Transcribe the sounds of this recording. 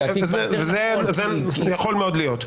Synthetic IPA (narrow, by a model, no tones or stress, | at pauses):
ezevezezejaχo̞lmeod̪lijot̪